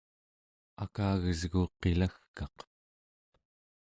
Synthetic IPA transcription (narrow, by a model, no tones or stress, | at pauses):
a̰kaːɣəzɣuqe̞laxkɑq